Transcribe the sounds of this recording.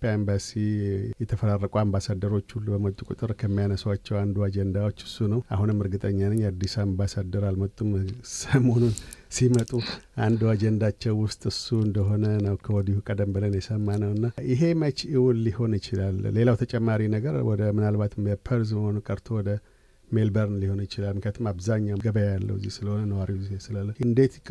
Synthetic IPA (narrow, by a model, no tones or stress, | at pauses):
pʼjaimbasijɛt̪ʰəfəɾarːəkʼuambasad̪ːəɾo̞t͡ʃːulːbəmət̪ʼukʼṵt̪ʼɨɾkʰəmːijanəswat͡ʃːɛwand̪uad͡ʒɛnd̪awot͡ʃːɨ̥sunəwa̰hunɨmːɨɾɡɨt̪ʼəɲːaləɲːad̪ːisambasad̪əɾalmət̪ʼːumsəmo̞nunsimət̪ʼuʔand̪uad͡ʒɛnd̪at͡ʃːɛwːʊst̪ʼɨsuɨnd̪əɦo̞nənəwkʰəwɔd̪ihukʼəd̪əmbɨlənjɛsəmːanəwɨnːaɪɦe̞mət͡ʃiwunliho̞nɪt͡ʃɪlalle̞lawt̪ʰət͡ʃʼɛmːaɾinəɡəɾwɔd̪əmɨnalbat̪mbəpʰəɾzməho̞nukʼəɾt̪ʰo̞wɔd̪ə | me̞lbəɾnliho̞njɪt͡ʃɪlalmɨkʰat̪ʰɨmaβzaɲːawɡəbəjalːə̰wɨzːihsɨləho̞nənəwaɾizihesɨlalːəɨnd̪e̞t̪kʼ